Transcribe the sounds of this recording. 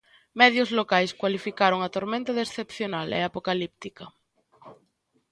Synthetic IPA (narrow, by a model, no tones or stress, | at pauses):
mɛðjozlokajskwalifikaɾoŋat̪oɾmẽnt̪aðesθepθjonalḛapokalip̚t̪ika